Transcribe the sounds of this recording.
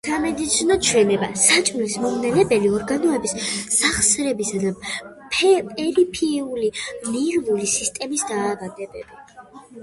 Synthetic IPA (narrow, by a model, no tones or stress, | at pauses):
samɛd̪it̪sʰinɔt͡ʃʰwɛnɛbasat͡ʃʼmlismɔmnɛnɛbɛliɔɾɡanɔɛbissaχsɾɛbisad̪appʼɛɾipʰiːuliniɾnulisist̪ʼɛmisd̪aːvad̪ɛbɛ̰bi